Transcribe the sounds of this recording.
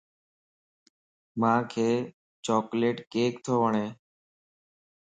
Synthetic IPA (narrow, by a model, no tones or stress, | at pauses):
mãːkʰeː | t͡ʃɔːkleːʈkeːkt̪ʰoːʋəɳeː